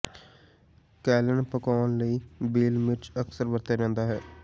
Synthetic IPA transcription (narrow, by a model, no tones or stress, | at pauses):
kɛːlənpəkaːnləiːbiːlʋɪt͡ʃəksəɾʋəɾt̪aːɾɛ̃ːnd̪aːɦɛː